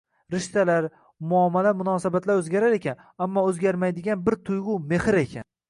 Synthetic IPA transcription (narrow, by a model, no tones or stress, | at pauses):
ɾɪʃt̪alaɾ | mʊamːalamʊnɒːsabat̪ʰlaɾɵzɡʲaɾaɾe̞kʲʰan | amːɒɵzɡʲaɾmajd̪ɪɡʲanbɪɾt̪ʰʊjʁʊme̞hɪɾe̞kʲʰa̰n